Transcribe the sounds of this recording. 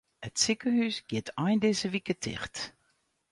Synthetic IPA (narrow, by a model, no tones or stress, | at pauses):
ətsikəhysɡ̥ɪtʰɔjndɪzəʋikətʰɪ̰χt